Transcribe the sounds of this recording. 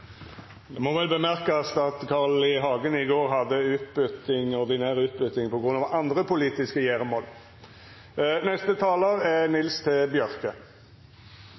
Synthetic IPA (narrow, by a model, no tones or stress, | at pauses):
d̪ɛmɔʋɛlbəmæʁkəsɑt̪kʰɑʁlɪɦɑːɡənɪɡoːʁɦɑd̪ːəʉːt̪bʉt̪ɪŋɔʁd̪ɪnæːʁʉːt̪̚bʉt̪ɪŋpʰɔɡɾʁʉnːɑːʋɑnd̪ʁəpʰʊliːt̪ɪskəjæːʁəmɔːl | nɛst̪ət̪ʰɑːləʁɛnɪlst̪ʰɛbjœʁkə